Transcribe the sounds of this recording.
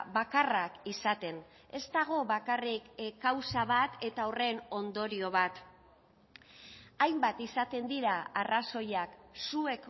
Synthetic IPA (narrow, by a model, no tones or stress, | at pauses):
βakarakisat̪e̞n | e̞st̪aɣ̞o̞βakarikkːawsaβat̪e̞t̪aore̞no̞nd̪o̞ɾio̞β̞at̪ | ajmbat̪isat̪e̞nd̪iɾaaraso̞jaksue̞k